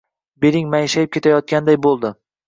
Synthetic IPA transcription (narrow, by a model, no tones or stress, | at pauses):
be̞ɾɪŋmajɪʃajɪp̚kʰʲe̞t̪ʰajɒt̪̚kʲand̪ajbolˠd̪ɪ